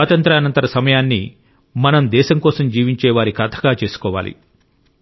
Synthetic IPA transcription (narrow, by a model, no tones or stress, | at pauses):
aːt̪ɐnt̪ɾɐːɐnɐnt̪ɐɾɐsɐmɐjaːnːḭ | mɐnɐmd̪ɛːʃɐmkɔːsɐmd͡ʒiːʋiɲt͡ʃɛːʋaːɾikɐt̪ʰɐ̥ɡaːt͡ʃe̞ːsu̥kɔːʋa̰ːlḭ